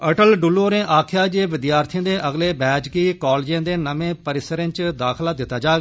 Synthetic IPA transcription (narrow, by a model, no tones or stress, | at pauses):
əʈəlɖʊloːɾẽːʔaːkʰjaːd͡ʒeːʋɪd̪jaːɾt̪ʰijãːd̪eːʔəɡleːbɛːd͡ʒkiːkɔːld͡ʒjãːd̪eːnəmẽːpəɾɪsəɾẽːt͡ʃd̪aːkʰlaːd̪ɪt̪ːaːd͡ʒaːɡ